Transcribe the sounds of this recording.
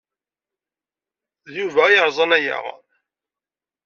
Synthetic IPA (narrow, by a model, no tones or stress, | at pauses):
ðjuvæjəɾˤzˤɑnæjæ̰ʁ